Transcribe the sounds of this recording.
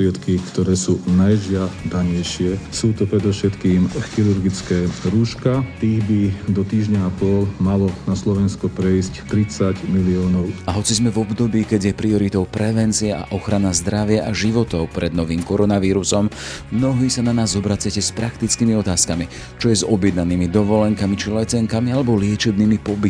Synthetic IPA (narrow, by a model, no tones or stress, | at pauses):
ɾɪɛt̪kikt̪ɔɾɛːsuːnajʒɪad̪aɲɛjʃɪɛsuːt̪ɔpɾɛd̪ɔfʃɛt̪kiːmxiɾuɾɡit͡skɛːɾuːʃkat̪iːɣbid̪ɔt̪iːʒɲaapɔlmalɔnaslɔʋɛnskɔpɾɛjsct̪ɾit͡saɟmiliɔːnɔʊaɦɔt͡sizmɛvɔbd̪ɔbiːkɛɟjɛpɾiɔɾit̪ɔʊpɾɛʋɛnt͡siɛʔa̰ʔɔxɾanazd̪ɾaʋɪaʔaʒiʋɔt̪ɔʊpɾɛd̪̚nɔʋiːmkɔɾɔnaʋiːɾusɔmmnɔɦiːsananaːzɔbɾat͡sɪacɛspɾakt̪it͡skiːmiɔt̪aːskami | t͡ʃɔjɛzɔbjɛd̪naniːmid̪ɔʋɔlɛŋkamit͡ʃilɛt͡sɛŋkamialɛbɔlɪɛt͡ʃɛbniːmipɔbit̪